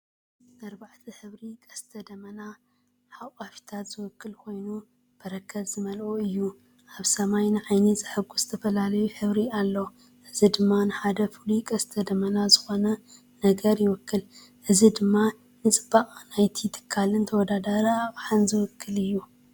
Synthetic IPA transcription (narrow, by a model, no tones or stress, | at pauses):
nɐɾbaʕt̪ʰiħɨβɾikʼɐst̪ʰɐd̪ɐmɐna | ħawʼafi̥t̪ʰat̪z̥ɨwʊkːɨlkʰo̞jnu | b̥ɐɾɐkːɐβzɨmɐlʔuɨjːu | ʔaβsɐmajnɨʕajnɨzɨħɨɡuzɨt̪ʰɐfɐlalɐjuħɨβɾialːo | ʔɨzid̪ɨmːanɨħad̪ɐfɨlukʼɐst̪ʰɐd̪ɐmɐnazɨxo̞nɐ | nɐɡɐɾjɪwɔkʰːɨl | ʔɨzid̪ɨmːa | nɨt͡sʼɨb̥ːaχʼnajt̪ʰit̪ʰɨ̥kʰːalɨnt̪ʰɐwɔd̪ad̪ɐɾaβħanzɨwɔkːɨlɨjːu